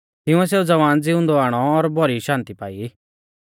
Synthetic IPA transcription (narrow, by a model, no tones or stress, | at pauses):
t̪ɪ̃ũɛs̬eːud͡zɐʋaːnd͡zɪʊ̃nd̪ɔaːɽ̃ɔːɾbɔɾiʃãːnt̪ipaːi